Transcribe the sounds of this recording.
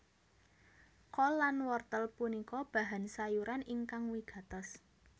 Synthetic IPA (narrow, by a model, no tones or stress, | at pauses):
kɔlːanwɔrt̪əlpunikɔb̥ä̤ɦansajuɾaniŋkaŋwiɡ̥a̤t̪əs